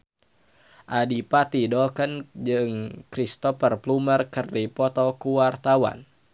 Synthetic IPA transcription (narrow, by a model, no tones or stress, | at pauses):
ʔadipat̪idɔkənd͡ʒɨŋkɾist̪ɔfərplumərkərdipɔt̪ɔkuwart̪awa̰n